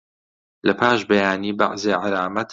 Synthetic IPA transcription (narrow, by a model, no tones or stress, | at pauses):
lɐpʰaːʃbɐjaːniːba̰ʔzeːʕaɾaːmɐt̪ʰ